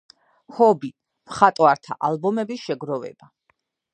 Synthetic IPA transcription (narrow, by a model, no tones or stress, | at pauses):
hɔbi | mχat̪ʼɔaɾt̪ʰa̰ʔalˠbɔmɛbiʃɛɡɾɔvɛ̰ba